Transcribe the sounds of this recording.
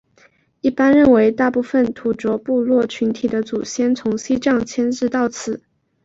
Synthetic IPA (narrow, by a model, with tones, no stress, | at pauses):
i˥˩pa˥nɻə˥˩nwe˧˥ɪt̪a˥˧pu˥˩fə˥˩nt̪ʰu˧˥ʈ͡ʂwɔ˧˥pu˥˧lwɔ˥˩t͡ɕʰy˧˥nt̪ʰi˨˩d̪ə˦t͡su˨˩ɕjɛ˥nt͡sʰʊ˧˥ŋɕi˥ʈ͡ʂɑ˥˩ŋt͡ɕʰjɛ˥nɻɻ̩˥˧t̪ɑ˥˩ʊt͡sʰɹ̩˨˩˦